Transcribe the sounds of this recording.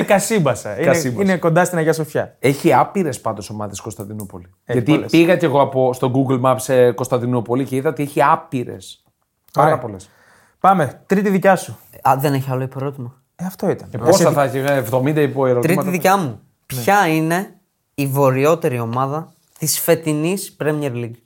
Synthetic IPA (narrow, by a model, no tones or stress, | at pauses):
kɐsimbɐsɐiɐsibineko̞nd̪ɐst̪inɐʝɐs̬ofçɐe̞çiɐpiɾe̞spɐnd̪o̞so̞mɐðesko̞st̪ɐnd̪inupo̞li | ʝɐt̪ipiɣɐce̞ɣo̞ɐpo̞st̪oɡuɡlmɐpseko̞st̪ɐnd̪inupo̞liceiðɐot̪ieçiɐpiɾe̞̰s | pɐɾɐpo̞les | pɐme̞t̪ɾit̪iðicɐsu | ðe̞ne̞çiɐlo̞ipɾo̞t̪imɐ | eɐft̪oit̪ɐneposɐθɐçievðo̞mind̪ɐipoeɾot̪ɾimɐt̪iðicɐmu | pçɐine̞ | ivo̞ɾio̞t̪e̞ɾio̞mɐðɐ | t̪isfe̞t̪inispɾemieɾliɡ